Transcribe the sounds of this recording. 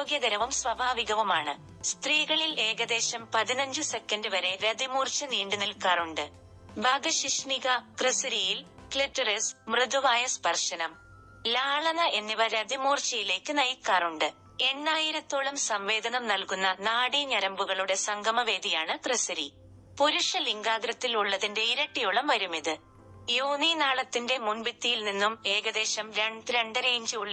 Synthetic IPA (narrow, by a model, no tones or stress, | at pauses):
oːɡjɐɡɐɾɐʋumsʋɐbʱaːʋiɣɐʋumaːɳɨ | st̪riːɣɐɭile̞ːɣɐd̪e̞ːɕɐmpɐðinɐɲd͡ʑɨse̞kːɐndɨʋɐɾe̞ɾɐd̪imuːrt͡ɕːɐniːɳɖunilkaːruɳɖɨ | bʱɐːɡɐɕiʂniɣɐkrɨsɐɾijilkletːɐresmrɨd̪uʋaːjɐspɐrʂɐnɐm | laːɭɐnɐʔe̞nːiʋɐɾɐd̪imuːrt͡ɕɐjile̞ːkːɨnɐjkːaːruɳɖɨ | e̞ɳːaːjiɾɐt̪ːoːɭɐmsɐmʋe̞ːd̪ɐnɐmnɐlkunːɐnaːɽiɲɐɾɐmbuɣɐɭuɽe̞sɐŋɡʱɐmɐʋe̞ːd̪ijaːɳɨkrɨsɐɾi | poɾuʂɐliŋɡaːɡɾɐt̪ːiluɭːɐðinde̞iɾɐʈːijuɭɐmʋɐɾumiðɨ | joːninaːɭɐt̪ːinde̞munbit̪ːijilninːume̞ːɣɐd̪e̞ːɕɐmɾɐɾe̞ɳɖɨɾe̞ːɲd͡ʑɨuɭː